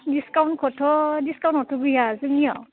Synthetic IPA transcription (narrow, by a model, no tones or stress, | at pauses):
diskawnkʰɔtʰɔdiskaw̃nʰɔtʰɔɡijazɯŋiɔ